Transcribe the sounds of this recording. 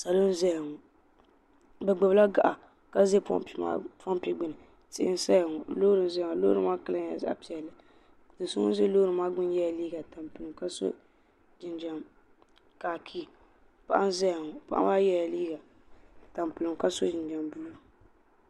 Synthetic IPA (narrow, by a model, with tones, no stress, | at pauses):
sa˨lo˦n˦zɛ˦jŋɔ˨ | bɛ˨ɡ͡bɛ˨bla˦ɡa˦˨ʔa˨ | ka˦ze˦pɔ̰˦˨˦ma̰˦pa˦m˦pi˦ɡ͡bɨ˨nɨ˨ | tɪ˦˨ɪ̰˦n˦sa˦ja˨ŋɔ˨loː˦ɾɨ˨m˨zɛ˦˨a˨lo̰˦ɾɨ˦maː˦ka˦la˦ɲ˨a̰˨za̰˦a̰˦˨pi˨ɛ˨lːɨ˨ | dɨ˨sʊ˦ŋ̰˦ze˦loː˦ɾɨ˨maː˦ɡ͡bʊ˦n˦jɛ˦a˨liː˦ɡa˨ta˨m˨pɨ˨lɨ˨mka˦so̰˦ | d͡ʒɪ˨nd͡ʒa˨m | kaː˨kʰi˦˨ | pa˦ʔa˦n˦zɛ˦ja˨ŋɔ˨pa̰˦ʔa̰˦ma˦jɛ˦ja˨liː˦ɡa˨ | ta˨m˨pɨ˨lɨ˨mka˦so˦d͡ʒɪ˨nd͡ʒa˨mbu˦lo˦˨